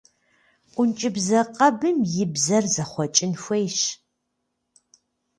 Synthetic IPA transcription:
ʔʷʊnt͡ʃʼɪbzɐqʼɐbɨmjɪbzɐrzɐχʷɔt͡ʃʼɪnxʷejɕ

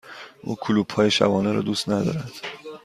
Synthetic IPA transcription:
ʔṵːkʰuluːb̥hɒːje̞ʃæ̰vɒːneɾɒ̰ːd̪uːst̪næd̪ɒ̰ːɾæd̪̥

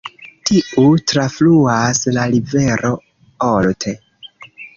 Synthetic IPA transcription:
tiutɾafluaslalive̞ɾʔo̞ | oltʰe

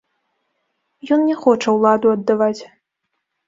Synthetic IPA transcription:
jɔnnʲɛxɔt͡ʂɐwlˠad̪uɐd̪ːavat͡sʲ

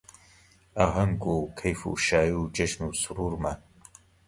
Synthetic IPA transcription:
aɦɐŋkukʰɐjfṵʃaːjud͡ʒɐʃnusuɾuɾma

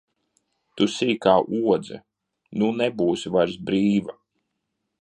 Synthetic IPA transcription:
t̪usiːkaːʔuɔd̪zɨ̰ | nunɛbuːsʲivaɾsbɾiːva

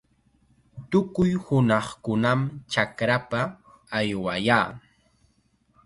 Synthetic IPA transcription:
t̪ʊkʊjhʊnɑχkʊnamt͡ʃakɾapaː | jwajaː

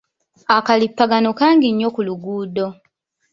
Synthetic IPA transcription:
akalipːaɡanokaːŋɡiɲːo̞kuluɡuːdo̞

